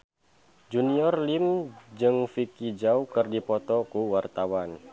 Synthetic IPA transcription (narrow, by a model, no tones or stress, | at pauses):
d͡ʒuniɔrlimd͡ʒɨŋfikid͡ʒaukɨrdipɔt̪ɔkuwart̪awan